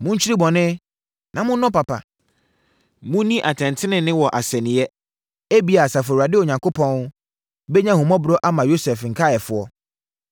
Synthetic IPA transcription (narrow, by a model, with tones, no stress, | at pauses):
mʊ̃˦ɲ̩˦t͡ɕʰᶣi˦ɾi˦bɔ̃˨nɪ̃˦ | nʔã˨mʊ̃˦nʊ̃˦pa˨pʰa̰˨ | mʊ̃˦nĩ˦ʔa˨tʰɛ̃˨n˨tʰɪ˦nɪ̃˨nɪ̃˦wɔ˨ʔa˨sɛ˨nɪ̃˨ɛ˦ | e˦bi˨a˨sa˨fʊ˨ɔ˨ɾa˨dɪ˦o˨ɲã˨ŋkʰo˦pʰɔ̃˦n˦ | bɛ˦ɲã˦hʊ̃˨mɔ̃˦bɾɔ˦ʔa˦mã˨jo˦sɛ˨fŋ̩˨kʰa˦˨ɛ˨fʊ˨˦ɔ˦